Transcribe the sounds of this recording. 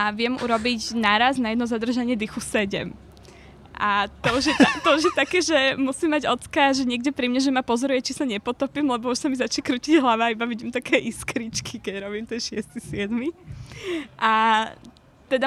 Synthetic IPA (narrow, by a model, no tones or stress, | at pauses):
aʋɪɛmṵɾɔbiɟnaɾaznajɛd̪nɔzad̪r̩ʒaɲɪɛd̪ixusɛɟɛ̰m | ʔat̪ɔuʒjɛt̪at̪ɔuʒjɛt̪akɛːʒɛmusimːaɟɔt͡skaʒɛɲɪɛɡɟɛpɾimɲɛʒɛmapɔzɔɾujɛt͡ʃisaɲɛpɔt̪ɔpimlɛbɔuʃsamizat͡ʃɲɛkɾuciɟɦlaʋaːibaʋiɟimt̪akɛːʔiskɾit͡ʃkʰikɛɟɾɔbimt̪ɛnʃɪɛst̪isɪɛd̪mi | ʔa | t̪ɛd̪a